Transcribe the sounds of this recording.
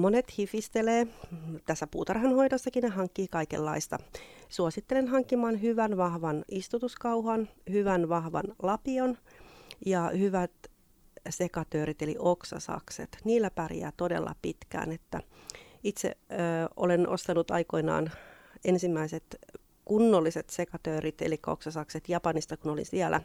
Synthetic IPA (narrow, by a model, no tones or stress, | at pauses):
monet̪hifist̪eleːt̪æsːæpuːt̪ɑrhɑnhoidosːɑkinnehɑŋkːiːkɑikḛlːɑist̪ɑsuosit̪ːelenɦɑŋkːimɑːnɦyʋænʋɑhʋɑnist̪ut̪uskɑuhɑnhyʋænʋɑhʋɑ̰nlɑpion | jɑhyʋæt̪ | sekɑt̪øːɾit̪elḭʔoksɑ̰sɑ̰ksḛt̪niːlːæpærijæ̰ːt̪odḛlːɑ̰pit̪kæ̰ːnet̪ːæ | it̪sḛo̰lenʔo̰st̪ɑnut̪ɑ̰iko̞inɑ̰ːn | ensimːæiset̪ | kunːolːiset̪sekɑt̪øːɾit̪ḛlikːæo̰ksɑsɑkset̪jɑpɑnist̪ɑkunolḭnsiælʔæ̰